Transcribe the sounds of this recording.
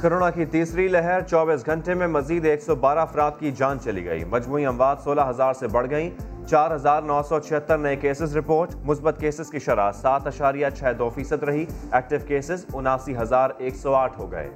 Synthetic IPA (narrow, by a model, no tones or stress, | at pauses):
koɾoːnakit̪iːsɾilɛɦɛɾt͡ʃɔːbiːsɡʱɐ̃ɳʈemẽmɐziːd̪eːksɔbaːɾaɐfɾaːd̪̚kid͡ʒãːnt͡ʃɐlḭɡɐ̰ḭːmɐd͡ʒmuːiɐ̃mʋaːd̪soːlaɦɐzaːɾsebɐɽ̤ɡɐi | t͡ʃaːɾɦɐzaːɾnɔːsɔt͡ʃʰɪɦət̪ːəɾnɐekeːsɪzɾɪpoːɾʈmʊsbət̪keːsɪz̥kiʃɐɾaːsaːt̪ɐʃaːɾijat͡ʃʰɛːd̪oːfiːsəd̪ɾɐɦiɛːk̚ʈɪʋkeːsɪzʊnaːsiɦɐzaːɾeːksɔaːʈʰɦoːɡɐ̰ḛː